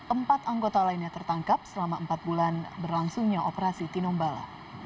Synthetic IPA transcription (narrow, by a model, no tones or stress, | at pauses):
ʔəmpat̪aŋɡot̪alainɲat̪ərt̪aŋkap̚səlamaəmpat̪̚bulanbərlaŋsuŋɲaʔopəɾasit̪inɔmbala̰